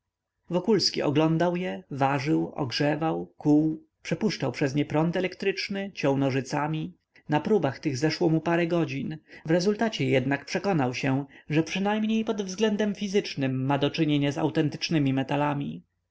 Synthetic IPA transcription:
vɔkulskʲḭʔɔ̰ɡlɔnd̪awjɛvaʐɘwɔ̰ɡʐɛvawkuw | pʂɛpuʂt͡ʂawpʂɛzɲɛpɾɔnt̪ɛlɛkt̪ɾɘt͡ʂnɘt͡ɕɔ̃wnɔʐɘt̪samʲi | napɾubaxt̪ɘɣzɛʂwɔmupaɾɛɡɔd͡ʑinvɾɛzult̪at͡ɕɛjɛd̪nakpʂɛkɔnawɕɛʐɛpʂɘnajmɲejpɔd̪vzɡlɛnd̪ɛmfʲizɘt͡ʂnɘmːad̪ɔt͡ʂɘɲeɲaza̰wt̪ɛnt̪ɘ̥t͡ʂnɘmʲimɛt̪alamʲi

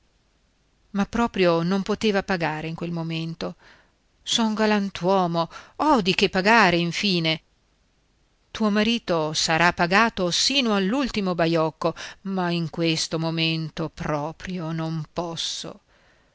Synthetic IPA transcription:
mapːɾɔːpɾjonompot̪eːvapaɡaːɾeiŋkwelmoment̪o | sɔŋɡalant̪wɔːmoɔd̪ikepːaɡaːɾeiɱfiːne | t̪uːomaɾiːt̪osaɾapːaɡaːt̪osiːnoalːult̪imobajɔkːomaiŋkwest̪omoment̪opɾɔːpɾjonompɔsːo̰

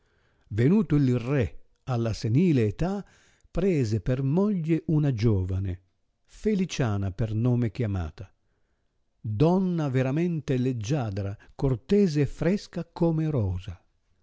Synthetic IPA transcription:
venuːt̪uilrɛ | alːaseniːleːt̪a | pɾɛːzepermɔʎːeʔunad͡ʒɔːvane | felit͡ʃaːnapernɔːmekjama̰ːt̪a | d̪ɔnːaveɾamɛnt̪eled͡ʒːaːd̪ɾakort̪ɛːzeɛfːɾɛskakoːmeɾɔːza

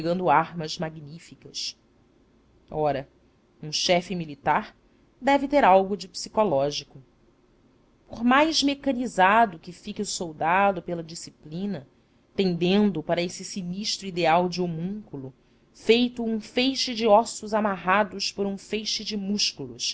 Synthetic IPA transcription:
ɡɐ̃nd̪ʊaɾmɐzmaɡnifikɐs | ɔɾɐ | ũʃɛfɪmilit̪aɾ | d̪ɛvɪt̪eɾawɡʊd͡ʒɪpsi̥kɔlɔʒikʊ | poɾmajzmekɐnizad̪ʊkɪfikɪsowd̪ad̪ʊpelɐd͡ʒisiplĩnɐ | t̪ẽnd̪ẽnd̪ʊpaɾɐesɪsiniʃt̪ɾuid̪eawd͡ʒɪomũŋkulʊ | fejt̪ʊũfejʃɪd͡ʒɪɔsʊzamaɦad̪ʊʃpoɾũfejʃɪd͡ʒɪmuʃkulʊs

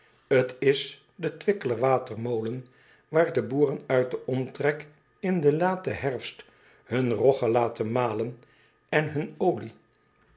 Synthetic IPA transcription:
ətɪs | dətʋɪkələɹʋaːtəɹmowlən | ʋaːɹdəbuːrənœɥt̚dəʔɔmtrɛk | ɪndəlaːtəɦɛɹfst | hɵnrɔχəlaːtənmaːlən | ɛnɦɵnowli

